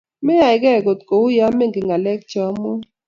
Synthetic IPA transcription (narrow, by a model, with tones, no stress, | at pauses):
mɛ˦ja˨ɪ˨ɡɛ˦˨ɡo˨t̪ko˨ʊ˦ja˦me˦ŋɡɪ˨ŋɡa˨lɛ˦k̚t͡ʃɔ˨˦mɔ˦